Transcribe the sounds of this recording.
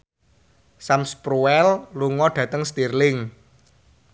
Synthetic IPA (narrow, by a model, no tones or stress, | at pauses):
samspɾuwɛlluŋɔɖ̥ä̤t̪əŋst̪irlɪŋ